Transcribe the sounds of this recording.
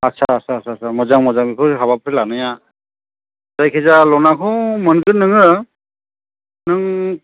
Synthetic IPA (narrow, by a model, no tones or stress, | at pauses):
atsʰa̰ːsʰaːsʰasʰamɔzaŋmɔzaŋbikʰɯɦaβapʰɾilanɯja | zajkʰezalɔnakʰɔmɯnɡɯnɯŋɯ | nɯŋ